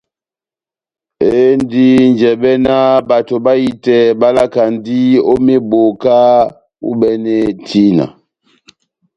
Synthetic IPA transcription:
e˦n˦di˦n˨d͡ʒɛ˨ɓɛ˦na˦ba˨to˨ɓa˦ji˦tɛ˨ɓa˦la˦ka˨n˦di˦o˦me˦bo˨ka˦ | ṵ˦ɓɛ˦nɛ˦tʰi˦na̰˨

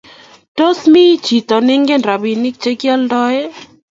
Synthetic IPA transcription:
to˦smi˦t͡ʃi˨t̪ɔ˨nɪ˦ŋɡe˦nɾa˨bi˨nɪ˦k̚t͡ʃe˦kja˦ldɔ˦e˦

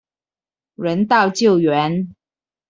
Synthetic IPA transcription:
ɻə˧˥nt̪ɑ˥˧ʊt͡ɕjo˥˨ʊɥɛ˧˥n

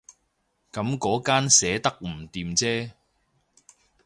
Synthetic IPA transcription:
kɐ˨˥mkɔː˨˥kaː˥nsɛː˨˥t̪ɐ˥k̚m̩˨˩t̪iː˨˧mt͡sɛː˥

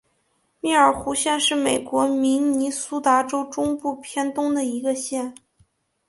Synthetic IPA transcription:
mi˥˩ə˞˨˩xu˧˥ɕjɛ˥˧nʂɻ̩˥˩me˨˩ɪkwɔ˧˥mi˧˥ŋni˧˥su˥t̪a˧˥ʈ͡ʂo˥ʊʈ͡ʂʊ˥ŋpu˥˩pʰjɛ˥nt̪ʊ˥ŋd̪ə˨i˧˥ɡə˧ɕjɛ˥˩n

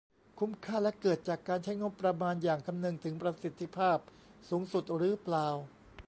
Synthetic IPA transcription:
kʰu˦˥mkʰaː˥˩lɛ˦˥ʔkɤː˨˩t̪̚t͡ɕaː˨˩kːaː˧nt͡ɕʰa˥jŋo˦˥pːɾa˧maː˧njaː˨˩ŋkʰa˧mnɯ˧ŋt̪ʰɯ˩˦ŋpɾa˧si˨˩t̪ʰːi˧˦pʰaː˥˩p̚ | suː˩˦ŋsu˨˩t̪̚ɾɯː˨˦˥plaː˧w

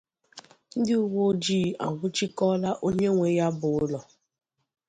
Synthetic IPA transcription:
n̩˦dɪ˦u˦wo˦d͡ʒi˦˨a̰˨ŋʷʊ˦t͡ʃi˦kɔ˦la˦ʔo˦ɲe˦ŋʷe˨ja˦bʊ˨ʊʊ˦lɔ˨

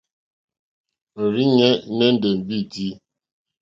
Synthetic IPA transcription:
n̩˨ɾi˦ɲɛ˦ne˦n̩˦də˨m̩˨bi˦di˦

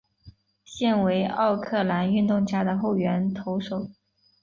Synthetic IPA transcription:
ɕjɛ˥˩nwe˧˥ɪʔɑ˥˧ʊkʰɤ˥˩la˧˥ny˥˧nt̪ʊ˥˧ŋt͡ɕja˥˩d̪ə˩xo˥˩ʊɥɛ˧˥nt̪ʰo˧˥ʊʂo˨˩˦ʊ

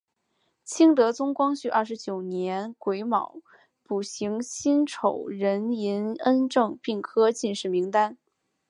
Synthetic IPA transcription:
t͡ɕʰi˥ŋt̪ɤ˧˥t͡sʊ˥ŋkwɑ˥ŋɕy˥˩ʔɐ˥˩ʂɻ̩˧˥t͡ɕjo˨˩ʊnjɛ˧˥nkwe˧˥ɪmɑ˨˩˦ʊ | pu˨˩ɕi˧˥ŋɕi˥nʈ͡ʂʰo˨˩ʊɻə˧˥ni˧˥nə˥nʈ͡ʂɤ˥˧ŋpi˥˩ŋkʰɤ˥t͡ɕi˥˧nʂɻ̩˥˩mi˧˥ŋt̪a˥n

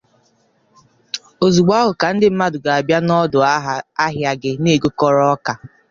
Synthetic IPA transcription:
o˨zu˨ɡ͡ba˦ɦʊ˨ka˨n̩˦dɪ˦m̩˦ma˦dʊ˨ɡa˨a˨bja˦nɔ˦dʊ˨˦ɦa˦ɦja˨ɡɪ˨ne˦˨ɡo˦kɔ˦ɾɔ˦ka˨

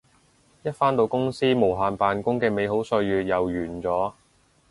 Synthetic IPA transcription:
jɐ˥t̚faː˥nt̪o˧wkʊ˥ŋsiː˥mo˨˩wɦaː˨npaː˨nkʊ˥ŋkɛː˧me˨˧jɦo˨˥wsɵ˧ɥjyː˨t̚jɐ˨˩wjyː˨˩nt͡sɔː˨˥

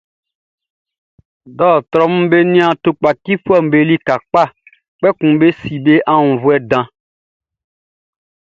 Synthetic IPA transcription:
ɖɔ˦˨t̪ɾɔ˦m̩˦be˦nĩ˦ã˨t̪o˨k͡pa˨ki˦ɸu˦ɛ˦˨m̩˨be˦˨li˦ka˨k͡pa˦˨ | k͡pɛ˦kũ˨be˦si˨be˦ʔa˦ŋũ˨vu˦ɛ˦dã˦

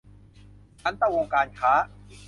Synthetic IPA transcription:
t͡ɕʰa˦˥nt̪a˧˩woː˧ŋkaː˧nkʰaː˦˥

